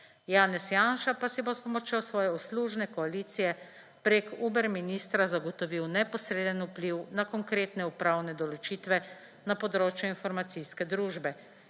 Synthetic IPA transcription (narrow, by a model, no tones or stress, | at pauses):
jaːnɛsjaːnʃapasibospɔmɔt͡ʃjɔsʋɔːjɛɔsluːʒnɛkɔaliːt̪sijɛ | pɾekubɛɾminiːst̪ɾazaɡɔt̪ɔʋiwnɛpɔsɾeːd̪ənupliwnakɔŋkɾeːt̪nɛupɾawnɛd̪ɔlɔt͡ʃit̪ʋɛ | napɔd̪ɾoːt͡ʃjuinfɔɾmat̪siskɛd̪ɾuːʒbɛ